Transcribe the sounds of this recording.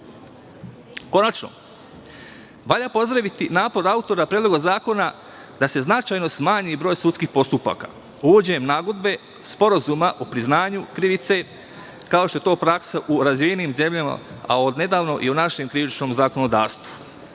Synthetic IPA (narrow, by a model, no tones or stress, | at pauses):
ko̞nat͡ʃno̰ | ʋaʎapo̞zd̪ɾaʋit̪inaːpo̞ɾaut̪o̞ɾapɾed̪lo̞ɡazaːko̞na | d̪ase̞znat͡ʃaːjno̞smaːɲibɾo̞ːjsut̪skixpo̞st̪upa̰ːka̰ | uʋod͡ʑeɲemnaːɡo̞d̪̚be̞ | spo̞ɾazuːmaʔopɾiznaːɲukɾiʋit̪se̞ | kao̞ʃt̪o̞et̪oːpɾaksaʔuɾazʋijeniːmze̞mʎama̰a̰od̪ne̞d̪aːʋno̞ʔiunaʃe̞mkɾiʋit͡ʃno̞ːmzako̞nod̪aːɾst̪ʋu̥